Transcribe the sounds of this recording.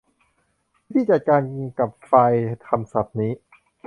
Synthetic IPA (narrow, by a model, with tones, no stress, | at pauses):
t̪ʰiː˥˩t͡ɕa˨˩t̪̚kaː˧nka˨˩p̚fa˧jt̪ʰa˧msa˨˩p̚niː˦˥